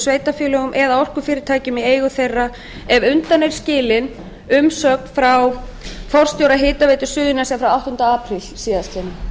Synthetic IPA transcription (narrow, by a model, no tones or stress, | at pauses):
sveːjt̪afjʏːlœɣʏmʔɛðaɔr̥kʏfɪːɾɪɾt̪ʰaːjcɪmieːjɣʏθejrːa | ɛvʏnt̪anːejɾ̥scɪːlɪn | ʏmsœːkfɾaw | fɔr̥st̪jowɾaɦɪːt̪aveːjt̪ʏ̥sʏːðɪnasɛafɾawawht̪ʏnt̪aaːpɾɪlsiːðast̪ʰjɛna